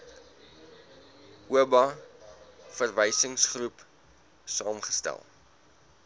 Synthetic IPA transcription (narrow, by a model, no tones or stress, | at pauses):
ʔuəbɐ | fərvɛjsəŋsχrup | sɑːmχəstæ̰lˠ